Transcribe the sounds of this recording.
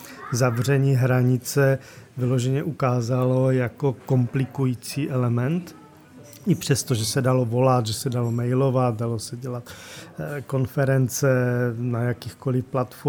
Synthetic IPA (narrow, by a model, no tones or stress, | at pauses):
zavr̝ɛɲiːɦɾaɲɪt͡sɛ | vɪlo̞ʒɛɲɛʔukaːzalo̞jako̞ko̞mplɪkujiːt͡siːʔɛlɛmɛnt̪ | ɪpr̝̥ɛst̪oʒɛsɛdalo̞vo̞lat̪ʒɛsɛdalomɛjlo̞vat̪̚dalo̞sɛɟɛlat̪ | ko̞nfɛɾɛnt͡sɛnajakɪxko̞lɪfplat̪fo